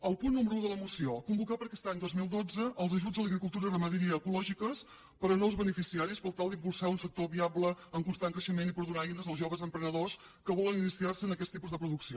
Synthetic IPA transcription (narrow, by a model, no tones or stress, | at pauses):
əlˠpunːuməɾuuðələmusiokumbukapəɾəkɛst̪aɲd̪ozmilˠd̪od͡zəʔːlˠzəʒud͡zələɣɾikulˠt̪uɾərəməðiɾiəːkulɔʒikəs | pəɾɔnolˠzβənəfisiaɾispəlˠt̪alˠd̪impulˠsaunsək̚t̪oβiabləəŋkunst̪aŋkɾəʃəmenipəɾðunajnəzðəlˠzʒoβəzəmpɾənəðos | kəβɔləninisiarsəːnəkɛst̪ipuzðəpɾuðuksio